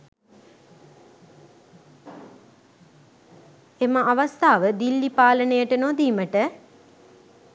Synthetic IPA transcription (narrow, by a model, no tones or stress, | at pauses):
eməʔaʋast̪aːʋəd̪ilːipaːlənəjəʈənod̪iːməʈə